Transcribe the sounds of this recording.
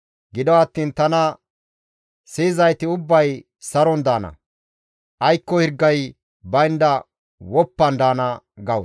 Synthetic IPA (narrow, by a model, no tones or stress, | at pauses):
ɡɪd̪ɔwat̪ːiːnt̪ɐnɐ | siːzɐjt̪ɪʊbːɐj | sɐɾɔnd̪aːnɐ̰ | ʔɐjkːɔhɪɾɡːɐj | bɐjɪnd̪ɐ | wɔpːɐnd̪aːnɐɡɐw